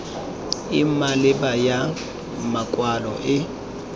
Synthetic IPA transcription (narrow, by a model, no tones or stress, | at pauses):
imalɪbaja | makʼwalɔ̰ʔɪ